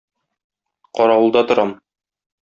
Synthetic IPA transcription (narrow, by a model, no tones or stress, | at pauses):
qɒɾɑwɤ̆lˠd̪ɑt̪ŏɾɑm